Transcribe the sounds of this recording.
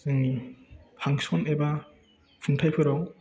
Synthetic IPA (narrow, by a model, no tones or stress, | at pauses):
zɯŋnihaŋsɔmeba | pʰuŋtʰajpʰɯɾɔŋ